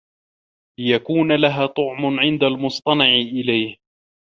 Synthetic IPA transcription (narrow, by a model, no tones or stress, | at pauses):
lɪjakuːnalaɦaːt̪ˤʊʕmʊʕɪnd̪almʊsˤt̪ˤɑnɑʕʔɪlajh